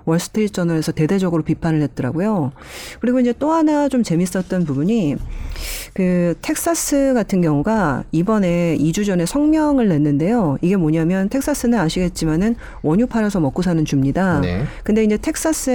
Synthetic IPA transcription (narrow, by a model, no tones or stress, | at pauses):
wʌɭs͈ʰɯ̥tʰɯɾit̚t͡ɕ͈ʌnʌe̞sʰʌte̞de̞d͡ʑʌɡɯɾopipʰanɯɭɦe̞t̚t͈ʌɾa̰ɡojo | kɯɾiɡoiɲd͡ʑe̞t͈oɦanat͡ɕomt͡ɕe̞mis͈ʌt̚t͈ʌnpubuɲi | kɯtʰe̞k̚s͈as͈ʰɯɡatʰɯnɡjʌŋuɡaibʌne̞id͡ʑud͡ʑʌne̞sʰʌŋmjʌŋɯɭːe̞nːɯnde̞joiɡe̞moɲamjʌntʰe̞k̚s͈ʰas͈ʰɯnɯnaɕʰiɡe̞t̚t͡ɕ͈imanɯn | wʌɲupʰaɾjʌsʰʌmʌk͈us̬ʰanɯnt͡ɕumɲidakɯnde̞ind͡ʑe̞tʰe̞k̚s͈as͈ʰɯ